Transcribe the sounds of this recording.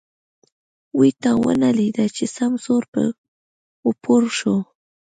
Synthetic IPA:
wɪt̪awa̰nalid̪at͡ʃɪsamsoɾpa̰ | ʊpʰʊɾʃʊ

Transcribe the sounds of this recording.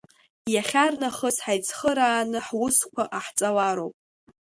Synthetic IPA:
jaχʲarnaχəsħajt͡sʰʼχəɾaːnɨħwʊskʷaʔaħt͡sʼawaɾowpʼ

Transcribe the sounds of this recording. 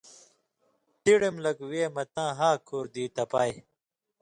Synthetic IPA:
t̪iɽemlɐɡweːmɐt̪ãːɦaːkʰoːɾd̪iːt̪ɐpaːj

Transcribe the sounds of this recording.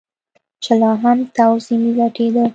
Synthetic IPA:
t͡ʃɪlɑɦamt̪awzimlaʈʰed̪ə

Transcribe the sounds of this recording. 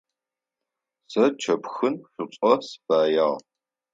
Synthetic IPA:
sɐt͡ʃʰɐpxɨnɕʷʊt͡sʷʼɔsfaːjaːʁ

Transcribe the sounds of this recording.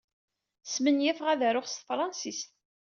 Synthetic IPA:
smənjæfʁæðæɾʊχst̪əfɾˤɑnsist̪

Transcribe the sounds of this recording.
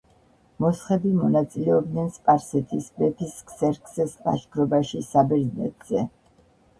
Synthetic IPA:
mɔsχɛbimɔnat̪sʼilɛɔb̚d̪nɛnspʼaɾsɛt̪ʰisbɛp̪ʰiskʰsɛɾkʰʼsɛspʼa̰ʃɡʰɾɔbaʃisabɛɾznɛ̰t̪ʰʼz̥ɛ

